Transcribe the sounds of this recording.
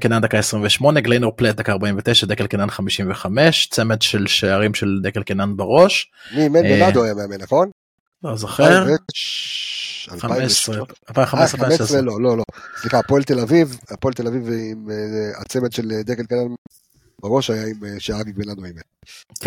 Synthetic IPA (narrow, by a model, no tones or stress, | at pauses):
kenand̪akaesʁiɱveʃmo̞neɡlejnoʁplet̪̚d̪akaːʁbaimvet̪eʃad̪ekelkenanχamiʃimveχameʃt͡semet̪ʃelʃeaʁimʃeld̪ekelkenanbaʁo̞ʃ | mimeenadajameamenaχo̞n | lozoχeʁ | alaaesealpaimχamesʁeameeelololosliχaːpoelt̪elavivapoelt̪elavivimeat͡semet̪ʃeld̪ekelkenan | baʁo̞ʃajaimeʃeaʁaɡikbenad̪oime